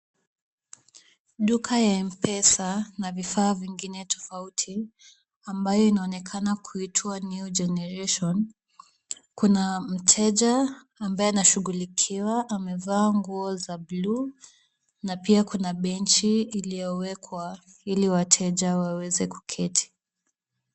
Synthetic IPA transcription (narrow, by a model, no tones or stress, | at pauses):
ɗukʰajaim̩pɛsanavifaːviŋɡinɛtʰɔ̥fautʰi | ambajɔinaɔnɛkʰanakʰuitʰwanud͡ʒɛnɛɾɛʃɔn | kunam̩tʰɛʄaː | mbajɛnaʃuɣulikʰiwaʔamɛvaːŋɡuɔzablu | napiakunaɓɛnt͡ʃiːlijɔwɛkʰwa | iliwatʰɛʄawawɛzɛku̥kʰɛtʰi̥